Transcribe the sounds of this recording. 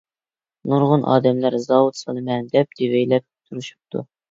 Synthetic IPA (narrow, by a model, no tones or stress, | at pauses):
nuɾʁʊnʔɑ̰ːd̪ɛmlæɾzɑwut̪sɑlˠɨmɛnd̪ɛp̚d̪̥evɛjlɛp̚t̪ʰuɾuʃu̥p̚t̪ʰṵ